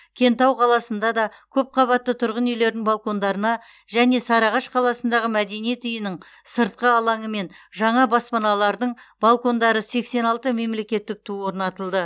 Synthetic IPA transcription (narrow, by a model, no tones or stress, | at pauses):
kʲʰe̞nt̪ɑwqʰɑlˠɑsənd̪ɑd̪ɑkʲʰɵp̚qʰɑβɑt̪ːət̪ʰʊɾʁənʏjle̞ɾd̪ɪŋbalˠko̞nd̪ɑɾənɑ | ʒæne̞sɑɾɑʁɑʃqʰɑlˠɑsənd̪ɑʁəmæd̪e̞nijet̪ʏjɪnɪɴ | səɾt̪̚qəɑlˠɑɴəme̞nʒɑɴɑbɑspɑnɑlˠɑɾd̪əɴbɑlˠko̞nd̪ɑɾəse̞kse̞nɑlˠt̪əme̞mle̞kʲe̞t̪ːɪk̚t̪ʰuwo̞ɾnɑt̪əlˠd̪ə